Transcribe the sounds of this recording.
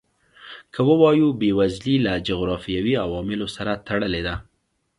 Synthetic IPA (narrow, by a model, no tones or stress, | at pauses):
kʰəwəwɑjubewazlilad͡ʒʊɣɾɑfijawiawɑmɪlosaɾat̪aɽəled̪a